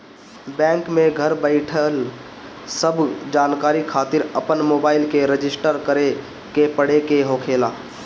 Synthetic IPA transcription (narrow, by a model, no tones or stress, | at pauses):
bɛ̃ːŋkmẽɡʱəɾbəɪʈʰəl | səbʱd͡ʒaːnkaːɾikʰaːt̪ɪɾəpənmoːbaːɪlkeɾəd͡ʒɪsʈəɾkəɾe | kepəɽekeɦoːkʰeːlaː